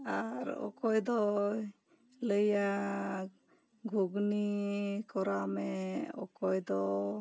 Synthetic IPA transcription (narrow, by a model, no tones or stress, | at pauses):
aɾɔ̰kɔjd̪ɔ | ləja | ɡʱuɡnikɔɾamɛɔ̰kɔjd̪ɔ